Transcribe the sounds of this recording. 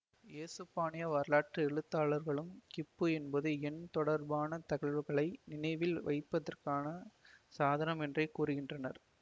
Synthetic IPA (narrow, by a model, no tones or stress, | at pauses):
eːsɯpːaːnɪjɐʋɐːɾlaːʈrɯɛɻɯt̪ːaːɭɐɾɣɐɭɯmkɪpːɯɛnbɐðɯɛnt̪ɔɽɐɾbaːnɐt̪ɐɣɐɭʋɯɣɐɭɐɪnɪnɐɪʋɪlʋɐ̰ɪpːɐðɐrkaːnɐsaːðɐnɐmɛndrɐɪkːuːɾɯɣɪndrɐnɐɾ